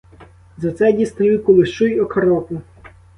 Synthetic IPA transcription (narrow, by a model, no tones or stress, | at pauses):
zɐt̪sɛdʲist̪ɾʲiwkʊlˠɪʃt͡ʃujɔkɐɾɔpʊ